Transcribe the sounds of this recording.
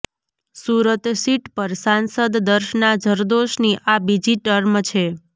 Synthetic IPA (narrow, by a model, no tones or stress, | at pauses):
suɾət̪siʈpəɾsansəd̪ːəɾʃnad͡ʒʱəɾd̪oʃniʔabid͡ʒiʈəɾmt͡ʃʰe